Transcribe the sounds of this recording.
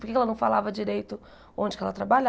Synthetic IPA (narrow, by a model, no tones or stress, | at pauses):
poɾkekɛlɐnɐ̃w̃falavɐd͡ʒiɾejt̪ʊ | õd͡ʒɪkɛlɐt̪ɾabaʎ